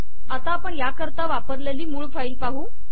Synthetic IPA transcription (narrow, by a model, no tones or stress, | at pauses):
at̪aːpəɳjakəɾt̪aʋapəɾleliːmuːɭfailpaɦuː